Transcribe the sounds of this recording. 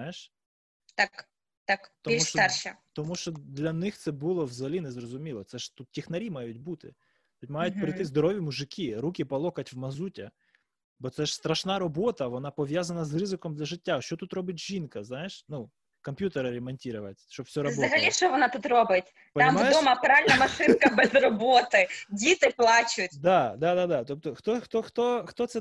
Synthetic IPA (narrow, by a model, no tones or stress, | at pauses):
ajeʃ | t̪ak | t̪akt̪ɔimʲust͡ʃt̪arʃɐt̪ɔmuʃt͡ʃɔd̪lʲɐnɪxt̪sɛbulˠɔwzɐɦɐlʲinɛzrɔzʊmʲilˠɔt̪sɛʒ̥t̪ut̪tʲixnɐɾʲimɑjʊtʲbut̪ɪ̰ | t̪ut̪ʲmɑjʊtʲpɾɪjt̪ɪzd̪ɔɾɔʋʲimuʒɪkʰʲiɾukʲɪpɐlˠɔkɐtʲwmɐzutʲɐ | bɔt̪sɛʃst̪ɾɐʃnɑɾɔbɔt̪ɐʋɔn̪ɑpɔʋʲjazɐnɐzrɪzɪkɔmd̪lʲɐʒɪtʲːaʃt͡ʃɔt̪ut̪ɾɔbɪt̚ʲʒinkɐznɑjeʃnu | kɔmpʲjut̪eɾɪɾʲɛmɐnʲtʲiɾʊʋɐ̰tʲʃt͡ʃɔbfsʲɔɾɐbɔzɐɦɐlʲiʃt͡ʃɔʋɔnat̪ut̪robɪtʲ | pɐammajɪdɔmɐpɾaɪlʲnɐmɐʃɪnkɐbɛzrɔbɔt̪ɪdʲit̪ɪplˠɑt͡ʃʊtʲd̪ɑd̪ad̪ad̪ɑt̪ɔp̚t̪ɔxt̪ɔxt̪ɔxt̪ɔxt̪ɔt̪sɛ